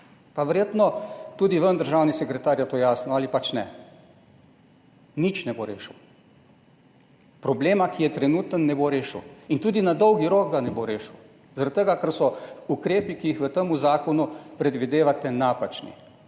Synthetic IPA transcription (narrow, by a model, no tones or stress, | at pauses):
paʋɛɾjeːt̪nɔt̪uːd̪iʋənd̪əɾʒaːwnisɛkɾɛt̪aːɾjat̪ojaːsnɔalipat͡ʃnɛ | nit͡ʃnɛboɾeːʃəw | pɾɔbleːmakijɛt̪ɾɛnuːt̪ənːɛboɾeːʃəwint̪uːd̪inad̪ɔwɡiɾokd̪anɛboɾeːʃw | zaɾat̪̚t̪əɡakəɾsɔukɾeːpikijixʋət̪əmuzaːkɔnupɾɛd̪ʋid̪eːʋat̪ɛnaːpat͡ʃnḭ